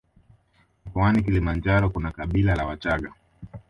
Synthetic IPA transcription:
kɔanik̬ilimand͡ʒaɾɔkunakaɓilalawat͡ʃaɠa

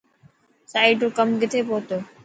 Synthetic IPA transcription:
saːiʈõːkəmɡɪt̪ʰeːpoːt̪oː

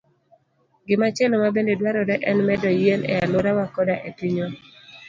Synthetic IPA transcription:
ɡɪmat͡ʃɛlɔmabendedwaɾɔdɛʔɛnmɛdɔjenɛ̰alʊɾawakɔdaʔetiɲo

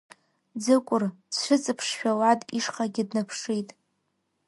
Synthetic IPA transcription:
d͡zɨkʷʼʊrt͡sʰʃʷɨt͡sʼɨpʰʂʃᶣalatʼiʂχaɡʲɪdnapʰʂitʼ

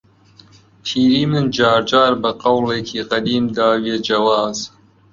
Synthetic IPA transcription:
pʰiːɾiːmɨnd͡ʒɑːɾd͡ʒaːɾbɨqɐwleːkʰiːqɐd̪iːmd̪aːwed͡ʒɐwɑːz̥

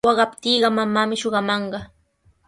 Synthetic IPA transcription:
ɑɢɑpt̪iːɢɑmamaːmɪʃoɢɑmɑɴɢɑ

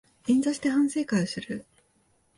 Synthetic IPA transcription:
ĩnzaɕi̥t̪e̞hãɰ̃se̞ːkaiosɨɾɯ̟

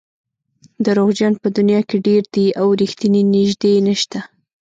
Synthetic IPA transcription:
d̪əɾoɣd͡ʒanpəd̪unjɑkeɖeɾd̪̥iawɾixt̪ininɪʒd̪enəʃt̪a

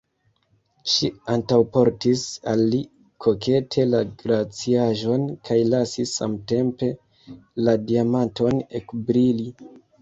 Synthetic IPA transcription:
ʃiantawpo̞ɾtisalːi | kʰo̞kʰe̞tʰe̞laɡɾat͡siaʒo̞nkʰajlasisːa̰mte̞mpe̞ | ladiamanto̞nekbɾili

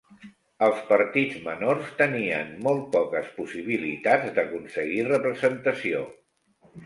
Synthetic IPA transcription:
əlˠspəɾt̪id͡zmənorst̪əniə̰nːɔlˠt̪̚pɔkəspusiβ̞ilit̪ad͡zd̪əkunsəɣirəpɾəzənt̪əsio

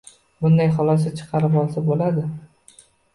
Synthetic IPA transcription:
bʊnd̪ajχɒlˠɒs̬at͡ʃʰɨ̥qʰɑɾɪpɒlˠsabolad̪ɪ

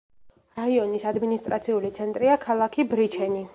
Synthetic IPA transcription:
ɾaiɔnisad̪minist̪ʼɾat̪sʰiulit̪sʰɛnt̪ʼɾiakʰalˠakʰibɾit͡ʃʰɛni

